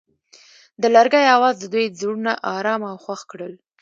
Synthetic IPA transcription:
d̪əlaɾɡajawɑzd̪əd̪ujziɽunaʔɑɾɑmawxwaxkɽəl

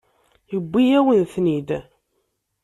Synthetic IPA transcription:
jəbʷːijæwənθnid̪

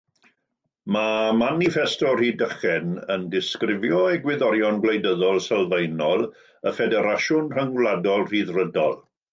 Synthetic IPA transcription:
mamanifɛstɔr̥idəχɛnəndɪskrɪvjɔeɡwɪðɔɾjɔnɡlejdəðɔlˠsɛlˠvejnɔlˠ | əfɛdɛɾaʃʊnr̥əŋlˠadɔlˠr̥iðrədɔlˠ

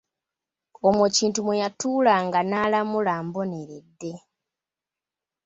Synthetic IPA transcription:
omweciːntumwejatuːlaŋɡanaːlamulaːmbo̞ne̞ɾedːe̞

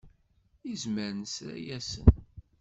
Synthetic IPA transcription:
izməɾnsɾæ̰jæsə̰n

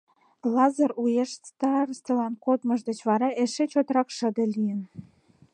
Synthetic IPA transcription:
lɑzərujeʃst̪ɑrst̪ə̆lɑnkot̪mə̆ʒd̪ə̆t͡ɕβɑɾɑʔeʃet͡ɕot̪ɾɑkʃə̆d̪elijən

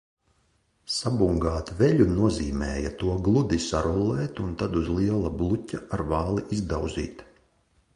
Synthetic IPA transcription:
sabuŋɡaːt̪veʎʲunuɔziːmɛːjat̪uɔɡlˠud̪isaɾulˠɛːt̪unt̪ad̪uzliɛlˠablˠutʲaaɾvɑːlˠiʔizd̪awzḭːt̪

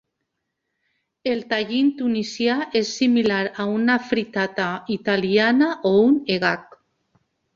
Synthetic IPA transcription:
elt̪aʎint̪unisjaʔesːimilaɾaunafɾit̪at̪ait̪alianaʔouneɣak

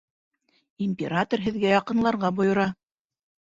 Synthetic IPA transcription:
imʲpʲeɾat̪orɦɘ̆ðɡæjɑqɤ̆nlˠɑɾʁɑbŏjŏɾɑ

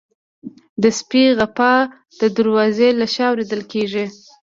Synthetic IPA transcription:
d̪əspiɣapɑ | d̪̥əd̪əɾwɑzelaʃɑːwɾed̪əlkeʐi

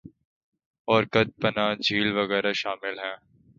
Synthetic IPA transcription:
ɔːɾkət̪̚pɐnaːd͡ʒʱiːlʋɐɣɛːɾaʃaːmɪlɦɛ̃ː

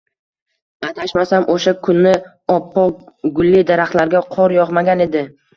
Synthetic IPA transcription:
at̪ʰaʃmasamʔoʃakʰʊnːɪ | ɒpʰːɒɡʊlːid̪aɾaχt̪laɾɡʲaqʰɒɾjɒʁmaɡʲane̞d̪ɪ

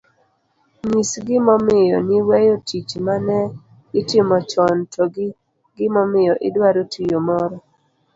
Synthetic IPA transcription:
ɲisɡɪmɔmɪjɔnɪwɛjotʰit͡ʃmanɛ | ɪtɪmɔt͡ʃɔntʰɔɡɪ | ɡɪmɔmɪjɔʔɪdwaɾotijomɔɾɔ

